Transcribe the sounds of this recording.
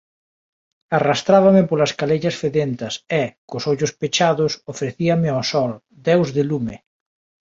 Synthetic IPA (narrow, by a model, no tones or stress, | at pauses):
arast̪ɾaβɐmɪpolɐskaleʎɐsfeðent̪ɐsɛkʊsoʎʊspet͡ʃaðʊsofɾeθiamɪɔsɔl | d̪ɛwzðɪlumɪ